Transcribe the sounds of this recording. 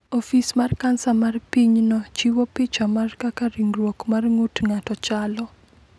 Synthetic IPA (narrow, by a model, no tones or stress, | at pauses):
ofismarkansamarpiɲnɔt͡ʃiwopɪt͡ʃamarkakariŋɡrwokmarŋotŋatɔt͡ʃalɔ